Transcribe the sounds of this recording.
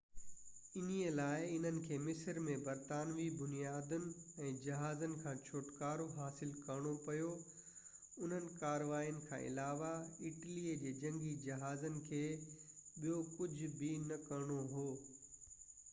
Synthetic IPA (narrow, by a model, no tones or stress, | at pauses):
ɪniəlaːɪɪn̤ənɪ̆kʰeːmɪsəɾmẽbɐɾt̪aːnʋibʊnijaːd̪ənɪ̆ɛ̃ːd͡ʑɐɦaːzənɪ̆kʰãːt͡ɕʰoːʈkaːɾoɦaːsɪlkɐɾɽ̃opɐjo | ʊn̤ənɪ̆kaːɾʋaːijənɪ̆kʰã̰ːʔɪ̰laːʋaɪʈliːəd͡ʑeːd͡ʑɐ̃ŋɡid͡ʑɐɦaːzənɪ̆kʰeːɓijokʊd͡ʑʱʊbɪnɐkɐɾɽ̃oɦoː